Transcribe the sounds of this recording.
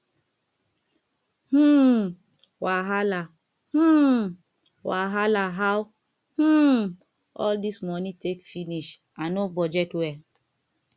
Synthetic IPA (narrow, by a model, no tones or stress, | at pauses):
h̩ | waɦala | h̩ | waɦalaɦaw | h̩ | ɔ̰ldismɔnĩtekfiniʃ | anobɔd͡ʒɛtwɛ